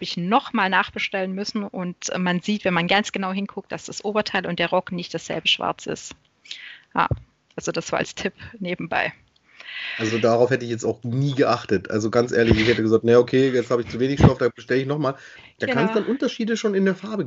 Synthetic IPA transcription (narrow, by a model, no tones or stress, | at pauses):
habəɪçnɔχmaːlnaːχb̥əʃtɛlənmʏsn̩ʔʊntːmanziːtv̥ɛnmanɡant͡sɡ̥ənaʊɦɪnkʰʊk̚t̚d̥asd̥asʔoːbɐtʰaɪlʊnt̚d̥eːɐʁɔknɪçt̚d̥asz̥ɛ̰lbəʃv̥a̰ɐt͡sɪ̰st | ja̰ː | ʔalz̥od̥asv̥aːɐa̰lstʰɪpneːbm̩ba̰ɪ | ʔalzodaʁaʊfhɛtəɪçjɛt͡staʊxniːɡəʔaχtətʔa̰lzoɡant͡sʔeːɐlɪçɪçhɛtəɡəzaːk̚tnəjokʰeːjɛt͡sthaːbəɪçt͡suveːnɪçʃtɔfd̥aːbəʃtɛləɪçnɔχmaːl | d̥aːkʰansd̥anʔʊntɐʃiːdəʃoːnɪndeːɐfaɐbə